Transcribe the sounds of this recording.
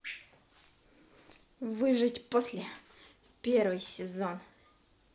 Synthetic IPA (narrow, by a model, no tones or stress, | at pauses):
vɨʐɨtʲposʲlʲɪ | pʲervɨjsʲɪzon